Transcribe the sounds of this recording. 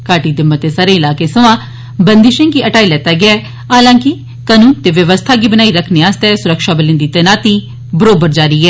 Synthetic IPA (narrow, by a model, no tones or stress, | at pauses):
kaːʈiːd̪ɪmːət̪ːeːsaːɾẽːɪlaːkeːsəʋãː | bənd̪ɪʃə̃ŋɡiːʔəʈaːilɛːt̪aːɡɪaː | aːlãːkɪ | kənũːnt̪eːʋjəʋəst̪ʰaːɡiːbənaːiɾəkʰneːaːst̪ɛːsʊɾəkʃaːbəlɪ̃nd̪iːt̪ɛːnaːt̪iː | bəɾoːbəɾd͡ʒaːɾiːɦɛː